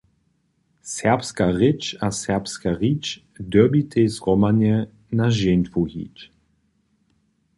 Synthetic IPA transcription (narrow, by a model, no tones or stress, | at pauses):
sɛʁpskaʁɪt͡ʃasɛʁpskaʁit͡ʃ | d̪əbit̪ʰejzʁɔmanjɛ | naʒent̪fuhḭt͡ʃ